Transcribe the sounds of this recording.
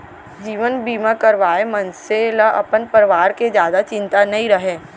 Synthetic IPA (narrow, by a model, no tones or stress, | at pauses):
d͡ʒiːʋənbiːmãkɐɾʋaːemɐ̃nseləʔɐ̰pənpəɾɪʋaːɾked͡ʒjaːd̪at͡ʃɪ̃nt̪anɐɦĩɾɐɦẽː